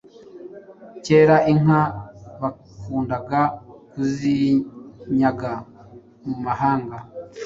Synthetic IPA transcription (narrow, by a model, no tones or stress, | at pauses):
ce̞ːɾaʔiŋaβa | kuːndaɡakuzi | ɲaɡa | mumahaːŋɡa